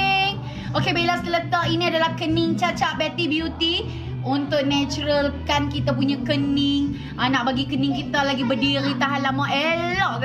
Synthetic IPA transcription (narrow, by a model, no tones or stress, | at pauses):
ŋ | okebilasələt̪ainĩadalahkənɪŋt͡ʃat͡ʃaʔ̚bɛt̪ibjut̪i | unt̪ʊʔ̚nɛ̃t͡ʃuɾəlkankit̪apuɲãkənɪŋ | anaʔbaɡikənɪ̃ŋkit̪alaɡibədiɾit̪aɦalamãʔelɔʔ